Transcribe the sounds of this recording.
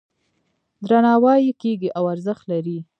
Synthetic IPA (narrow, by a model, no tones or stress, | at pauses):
d̪ɾanɑwɑjikeɡiʔawaɾzəxt̪laɾi